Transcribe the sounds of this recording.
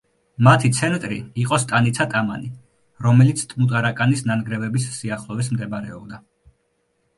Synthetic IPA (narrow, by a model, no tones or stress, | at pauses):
mat̪ʰit̪sʰɛnt̪ʼɾḭiqʼɔst̪ʼanit̪sʰat̪ʼama̰ni | ɾɔmɛlit̪sʰt̪ʼmut̪ʼaɾakʼanisnanɡɾɛvɛbisːiaχlˠɔvis̬md̪ɛbɾɛ̰ɔbd̪a